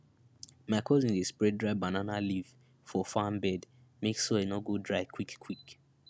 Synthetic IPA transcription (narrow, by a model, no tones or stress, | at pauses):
makʰɔzĩndespɹɛdɹaɪbananaliv̥ | fɔfãmbɛd | meksoenɔɡodɹaɪkʰwikkʰːwik